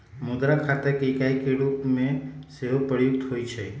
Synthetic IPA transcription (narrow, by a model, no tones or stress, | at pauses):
mʊd̪ɾakʰat̪ekekajkeɽupmẽseʋopəɾjʊkt̪ɦoːjt͡ʃʰe